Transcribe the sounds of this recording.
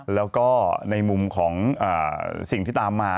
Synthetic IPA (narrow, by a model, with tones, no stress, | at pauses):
lɛː˦˥wkɔː˥˩na˧jmu˧mkʰɔː˩˦ŋʔa̰ː˨˩si˨˩ŋt̪iː˥˩t̪aː˧mːaː˧˥